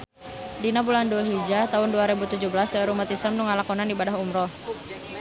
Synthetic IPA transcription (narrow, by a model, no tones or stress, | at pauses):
dinabulandulɦid͡ʒat̪aʊnduaɾebut̪ud͡ʒuhbəlasəɾumat̪isəmnuŋalakɔnandibadaɦumɾɔ